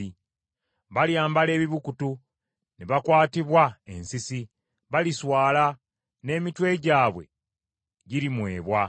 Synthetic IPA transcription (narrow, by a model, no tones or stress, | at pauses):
i | βaljaːmbale̞ːβiβukutu | neβakwaːtiβwae̞nsisi | βaliswaːla | ne̞ːmitwe̞ɟaːβwe̞̰ | ɟiɾimwe̞ːβwa